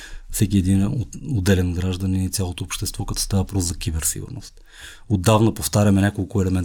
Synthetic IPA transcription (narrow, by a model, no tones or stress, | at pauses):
fsɛkiɛd̪inod̪ːɛlɛnɡɾaʒd̪ɐnit̪sʲjalˠot̪oopʃt̪ɛst̪vɔkɐt̪ɔ̥st̪avɐvɐpɾɔszɐkʲibɛɾsḭɡṵɾno̰st̪ | od̪ːavnɐpoft̪aɾʲɐmɛnʲakolˠkʊɛlɛmɛnt̪